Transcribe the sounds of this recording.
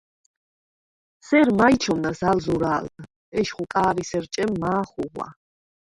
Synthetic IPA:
sɛɾmajt͡ʃʰɔmnasalzuɾaːld̪ | ɛʃχukʼaːɾisɛɾt͡ʃʼɛmːaːχuʁwa̰

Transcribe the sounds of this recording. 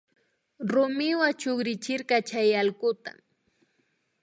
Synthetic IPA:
ɾʊmɪwat͡ʃoχɾɪt͡ʃɪɾkɑt͡ʃajɑlkʊt̪a̰

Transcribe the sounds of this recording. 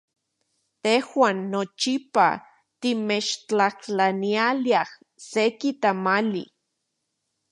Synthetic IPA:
t̪ehwaːnːot͡ʃipa̰ | t̪imet͡ʃt͡ɬaht͡ɬanialiah | sekit̪amalḭ

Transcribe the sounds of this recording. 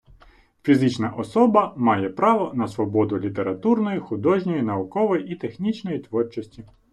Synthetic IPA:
fʲizɪt͡ʃnɐʔɔsɔbɐmɑjɛpɾɑʋɔnɐsʋɔbɔd̪ʊlʲit̪e̞ɾɐt̪urnɔjixʊd̪ɔʒnʲɔjinɐʊkɔʋɔjiʔit̪exnʲit͡ʃnɔjit̪ʋɔrt͡ʃɔsʲtʲi

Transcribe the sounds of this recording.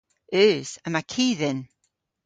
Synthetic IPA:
ʉːsəmakʰiːðɪn

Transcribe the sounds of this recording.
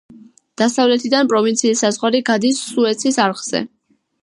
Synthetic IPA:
d̪̥asavlɛt̪ʰid̪anpʼɾɔvint̪sʰiːsːazʁwaɾiɡad̪isːuɛt̪sʰisaɾχz̥ɛ̰

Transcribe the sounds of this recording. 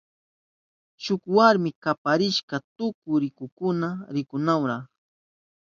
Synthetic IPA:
ʃʊkwaɾmɪkapaɾɪʃkat̪ʊkʊɾɪkʊkʊnaɾɪkʊnawɾaχ

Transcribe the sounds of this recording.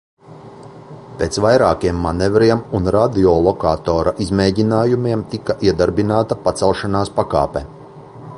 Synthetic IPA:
peːt̪svajɾaːkiɛmːanɛvɾiɛmunɾad̪iɔːlˠɔkaːt̪oːɾaʔizmeːɟinaːjumiɛmt̪ikaʔiɛd̪aɾbinaːt̪apat̪sɛlˠʃanaːspaka̰ːpe

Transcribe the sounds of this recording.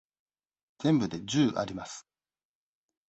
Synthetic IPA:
d͡z̥ẽ̞mbɯ̟d̪e̞d͡ʑɨːʔa̰ɾʲimasɨ̥

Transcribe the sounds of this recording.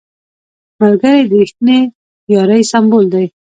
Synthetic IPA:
maɾɡəɾed̪əɾixt̪ne | jɑɾajsambold̪aj

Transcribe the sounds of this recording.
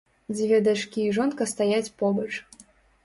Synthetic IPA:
d͡zʲvʲɛd̪at͡ʂkʲiːʐɔnkɐst̪ajat͡sʲpɔbɐt͡ʂ

